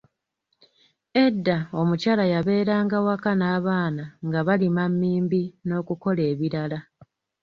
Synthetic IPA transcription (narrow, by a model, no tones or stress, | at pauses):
e̞dːao̞mucaːlajaβe̞ːɾaːŋɡawakanaːβaːnaŋɡaβalimamːiːmbino̞ːkuko̞le̞ːβiɾala